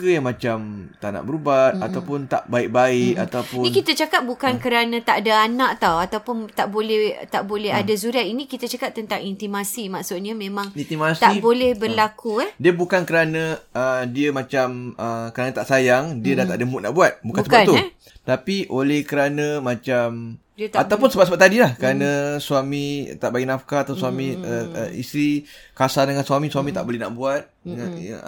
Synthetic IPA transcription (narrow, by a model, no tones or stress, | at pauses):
əjaŋmat͡ʃamt̪aʔna̰ʔbəɾubat̪̚at̪awpʊnt̪a̰ʔbaɪk̚baɪʔa̰t̪awpʊninkit̪at͡ʃakat̪̚bukankəɾanə̃t̪aʔadaanaʔt̪awat̪awpʊnt̪aʔbolɛht̪aʔbolɛɦadasuɾaʔinĩkit̪at͡ʃakap̚t̪ənt̪aŋint̪imasimaʔsʊt̪̚ɲamẽmãŋint̪imast̪aibolɛhbərlakuɛhdiəbukankəɾanə̃ədiəmãt͡ʃaməkəɾanə̃t̪aʔsajaŋdiədat̪aʔdəmbuʔ̚na̰ʔbuat̪̚bukansəat̪u | t̪apiʔolɛhkəɾanə̃mãt͡ʃam | diat̪awpʊnsəbap̚səbap̚t̪adilahkəɾanə̃suamĩt̪aʔbaɡiʔnafkaat̪aswamĩə̰ḭsɾikasandəŋansuamĩsuamit̪a̰ʔbolɛhna̰ʔbuat̪̚